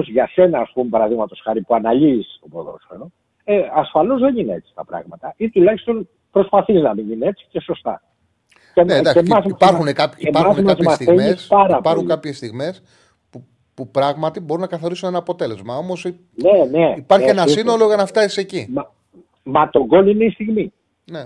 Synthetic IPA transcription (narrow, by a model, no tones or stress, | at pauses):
ozʝɐse̞nɐːspumepɐɾɐðiɣmɐt̪o̞sxɐɾipuɐnɐʎiːsobo̰ðo̰sfeno | eɐsfɐlo̞zðenineet͡si̥t̪ɐpɾɐ̰ɣmɐt̪ɐit̪ulɐçi̥st̪o̞n | pɾo̞spɐθiznɐmininee̞tsi̥ce̞so̞st̪ɐ̰ | ened̪ɐksemɐziɐpɐɾxunekɐpiepɐɾɐunmɐzmɐst̪θemeesspɐɾɐpɐɾxukɐpçe̞st̪iɣme̞s | pu | pupɾɐɣmɐt̪ibo̞ɾunːɐkɐθoɾisune̞nɐːpo̞t̪e̞le̞zmɐo̞mo̞si | neneipɐɾççienɐsinolo̞ʝɐnɐft̪ɐsi̥secimɐ | mɐt̪o̞ɡo̞lineist̪iɣmi | ne